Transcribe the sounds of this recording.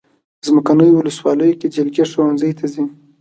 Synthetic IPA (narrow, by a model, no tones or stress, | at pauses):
zməkanəjowʊləswɑləjoked͡ʒɪlɡeʂawanzəjt̪ʰazi